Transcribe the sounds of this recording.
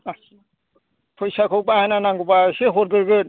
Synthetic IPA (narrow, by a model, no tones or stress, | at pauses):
a | pʰɔjsakʰɯwbahananaŋɡubaseɦɔɾɡɯɾɡɯ